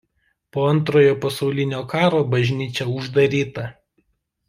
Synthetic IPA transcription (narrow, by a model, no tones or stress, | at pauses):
poːɐnˑt̪̬ɾoːjoːpɐsɒʊlʲɪnʲoːkɑːɾoːbɐʒʲnʲiːt͡ʃʲɛʊʒd̪ɐɾʲiːt̪ɐ